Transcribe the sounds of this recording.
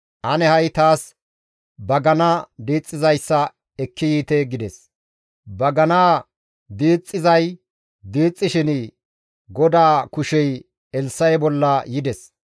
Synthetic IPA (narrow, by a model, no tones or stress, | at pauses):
ʔɐnɛhɐjt̪aːs | bɐɡɐnɐd̪iːt͡sʼːɪzɐjsːɐ | ɛkʰːɪjiːt̪eɡɪd̪ɛs | bɐɡɐnaː | d̪iːt͡sʼːɪzɐj | d̪iːt͡sʼːɪʃɪn | ɡɔd̪aːkʊʃɛj | ɛlsɐjbɔlːɐjɪd̪ɛs